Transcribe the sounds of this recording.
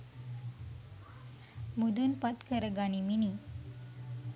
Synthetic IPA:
mud̪unpat̪kʰəɾəɡaɳ̃imini

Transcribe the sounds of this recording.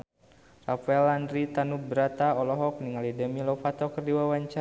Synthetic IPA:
rafaɛlandɾit̪anubəɾat̪aɔlɔɦɔk̚niŋalidəmilɔfat̪ɔkərdiwawaɲt͡ʃa

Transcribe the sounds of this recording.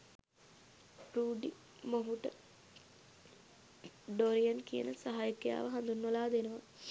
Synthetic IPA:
bɾuːɖi | moɦuʈə | ɖoɾijɐnkijə̰nəsaɦajukja̰ːʋəɦand̪unːɐlaːd̪enəʋa

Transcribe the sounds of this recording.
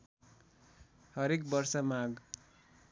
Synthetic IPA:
hʌɾekbʌrsʌmaɡ

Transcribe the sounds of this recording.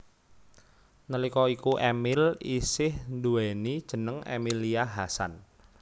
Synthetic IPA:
nəlikɔikuʔemɪlisɪhnd̪uɛnid̥ʒ̥ə̤nəŋḛmiliaɦasa̰n

